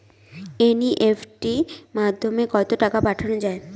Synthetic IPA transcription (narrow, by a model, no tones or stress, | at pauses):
eniʔefʰʈimad̪ʱːomekɔt̪oʈakapaʈʰanod͡ʑae